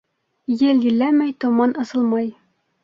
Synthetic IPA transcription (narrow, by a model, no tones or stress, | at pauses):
jɘljɘ̆lːæmæjt̪ŏmɑnʔɤ̆sɤ̆lˠmɑj